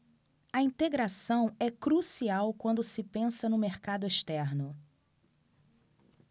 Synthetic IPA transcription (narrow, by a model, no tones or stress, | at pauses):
ɐĩnt̪eɡɾasɐ̃w̃ɛkɾusiawkwɐ̃nd̪ʊsɪpẽsɐnʊmeɾkad̪ʊeʃt̪ɛɾnʊ